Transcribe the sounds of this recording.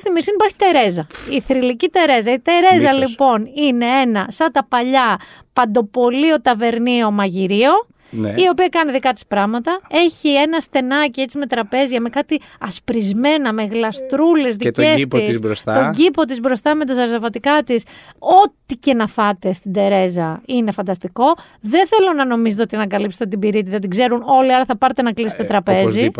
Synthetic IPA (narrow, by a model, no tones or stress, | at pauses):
st̪imiɾsinipɐɾçi̥t̪e̞ɾe̞zɐiθɾilicit̪e̞ɾe̞zɐit̪e̞ɾe̞zɐlipo̞nine̞e̞nɐsɐt̪ɐpɐʎɐ | pɐnd̪o̞po̞lio̞t̪ɐve̞ɾnio̞mɐʝiɾio̞ | nio̞piɐkɐniðikɐt̪i̥spɾɐɣmɐt̪ɐe̞çie̞nɐst̪e̞nɐcie̞t͡sime̞t̪ɾɐpe̞zʝɐme̞kɐt̪i | ɐspɾizme̞nɐme̞ɣlɐst̪ɾule̞zðiesssbɾost̪ɐoɟipo̞t̪̬izbɾo̞st̪ɐme̞t̪ɐzɐɾzɐvɐt̪ikɐt̪iso̞t̪ice̞nɐfɐt̪e̞st̪ind̪e̞ɾe̞zɐine̞fɐnd̪ɐst̪iko̞ | ðenθe̞lo̞nɐno̞mizet̪eot̪ɐnɐkɐlipset̪et̪ibiɾit̪̬iðɐt̪iɡze̞ɾuno̞lioɾɐθɐpɐɾt̪e̞nɐklise̥t̪et̪ɾɐpe̞zi